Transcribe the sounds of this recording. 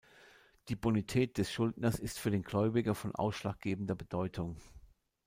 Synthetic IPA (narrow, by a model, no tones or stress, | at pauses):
d̥iːbonitʰɛːt̚d̥ɛsʃʊldnɐsɪstfyːɐdeːnɡlɔʏbɪɡɐfɔnʔa̰ʊsʃlaːk̚ɡ̥eːbn̩dɐbəd̥ɔʏtʰʊŋ